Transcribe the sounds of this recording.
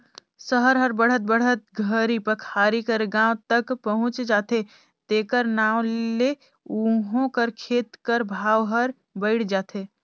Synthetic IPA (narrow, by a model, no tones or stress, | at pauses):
səɦəɾɦəɾbəɽ̤ət̪̚bəɽ̤ət̪̚ɡʱəɾipəkʰaːɾikəɾɡãːʋt̪əkpɐɦʊ̃t͡ʃd͡ʒaːt̪e | t̪eːkəɾnaːwle | uɦõkəɾkʰeːt̪kəɾbʱaːwɦəɾ | bəɪɽd͡ʒaːt̪ʰeː